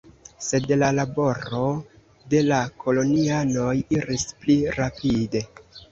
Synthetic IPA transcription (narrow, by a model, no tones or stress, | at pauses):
se̞dlalabo̞ɾo̞ | de̞lakʰo̞lo̞niano̞jiɾispliɾapide̞